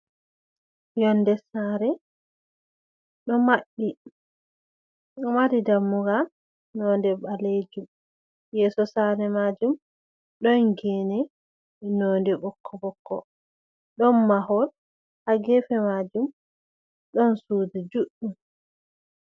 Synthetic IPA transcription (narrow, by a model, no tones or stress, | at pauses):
jɔndɛsaɾɛ | ɗɔmaɗːi | ɗɔmaɾidamːuɡa | nɔndɛbaled͡ʒum | jɛsɔsaɾɛmad͡ʒum | ɗɔnɡɛnɛ | nɔndɛbɔkʰːɔɓɔkːɔ̰ | ɗɔnːaɦɔl | haɡɛfɛmad͡ʒum | ɗɔnsudud͡ʒuɗum